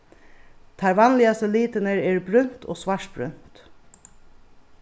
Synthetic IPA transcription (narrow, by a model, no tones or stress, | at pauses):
t̪ʰɑɾʋɑnlɪɑst̪əliːt̪ənəɹeːɹbɾʏn̥t̪ʰo̰ːsʋɑʂʈ̚b̥ɾʏ̰nt̪